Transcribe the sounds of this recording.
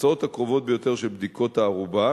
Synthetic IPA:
t͡sao̞t̪hakʁo̞vo̞t̪̚bejo̞t̪e̞ʁʃelbd̪iko̞t̪aːʁuba

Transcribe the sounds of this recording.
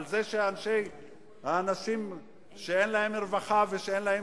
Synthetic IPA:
lzeʃeanʃe̞j | haːnaʃim | ʃeenlahemeʁvaχaveʃeenlahe

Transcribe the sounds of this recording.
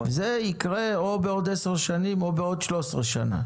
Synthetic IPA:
vezeikʁe̞o̞beod̪eseʁʃanimo̞beo̞d̪ʃlo̞sʁeʃa̰na̰

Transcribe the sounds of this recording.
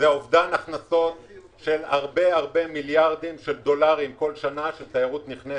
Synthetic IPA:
zeovd̪anaχnaso̞t | ʃelaʁbe̞aʁbe̞miljaʁd̪imʃeld̪o̞laʁimko̞lʃanaʃelt̪aiʁut̪niχne

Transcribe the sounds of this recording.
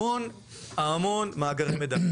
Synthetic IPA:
oːn | aːmoːnmaːɡɐɾɐmɪd̪ɐm

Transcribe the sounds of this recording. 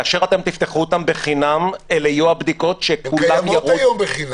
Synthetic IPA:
aːʃe̞ʁat̪e̞mt̪ift̪eχuot̪ambeχinamelejuabd̪iko̞tʃekulamjaʁojbi

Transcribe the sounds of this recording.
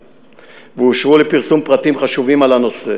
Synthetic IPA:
veuʃʁulepiʁsumpʁat̪imχaʃuvimalano̞sḛ

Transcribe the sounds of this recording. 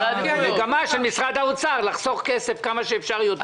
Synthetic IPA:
eɡamaʃelmisʁad̪aut͡saʁlaχso̞χkese̞fkamaʃeːfʃaʁjod̪

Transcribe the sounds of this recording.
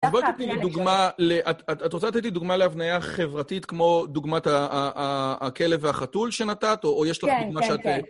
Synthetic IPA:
bot̪etiiduɡmaleʔatatatʁot͡sat̪et̪̬iduɡmaleavnajaχe̞vʁatitkmo̞duɡmataː | ke̞leveaχatulʃe̞natatoːjeʃladuɡmaʃeat̪e

